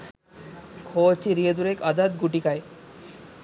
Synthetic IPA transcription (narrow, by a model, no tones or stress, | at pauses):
kʰot͡ɕiɾied̪uɾekad̪ad̪ɡuʈikae